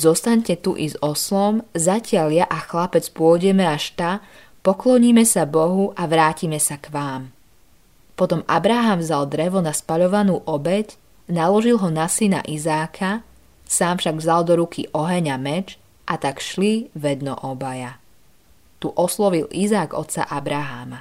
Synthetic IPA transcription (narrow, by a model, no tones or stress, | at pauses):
zɔst̪aɲcɛt̪uʔizɔslɔmzacɪaʎjaʔaxlapɛt͡spʊɔɟɛmɛaʃt̪a | pɔklɔɲiːmɛsabɔɦuʔaʋɾaːcimɛsakʋaːm | pɔt̪ɔmabɾaɦamvzald̪ɾɛʋɔnaspaʎɔʋanuːʔɔbɛc | nalɔʒilˠɦɔnasina̰ʔizaːkʰa | saːmfʃaɡvzalˠd̪ɔɾukʰiʔɔɦɛɲamɛd͡ʒ | ʔat̪akʃliʋɛd̪nɔ̰ʔɔbaja | t̪uʔɔslɔʋilizaːɡɔ̰t̪sa̰ʔabɾaɦa̰ːma